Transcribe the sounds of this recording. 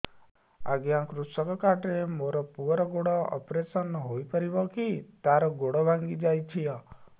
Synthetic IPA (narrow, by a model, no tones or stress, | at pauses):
a̰ɡjãkɾusɔkɔkaʈɾemoɾɔpuɔɾɔɡoɽɔɔ̰pɾesɔnɦojpɔɾibɔkit̪aɾɔɡoɽɔbʱaŋɡid͡ʒajt͡ʃʰijɔ